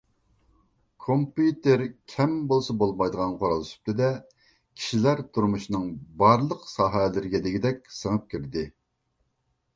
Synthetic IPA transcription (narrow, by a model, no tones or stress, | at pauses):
kʰompjut̪eɾkʲʰɛmbolˠsɑbolˠmɑjd̪əʁɑnqʰoɾɑlˠsy̥p̚t̪ɪd̪ɛ | kʲʰi̥ʃilæɾt̪ʰuɾmuʃinɨŋbɑɾlˠəqsɑːɦɛlɪɾɪɡʲɛd̪ɪɡʲid̪ɛkʲsəŋəp̚kʲʰiɾd̪ɪ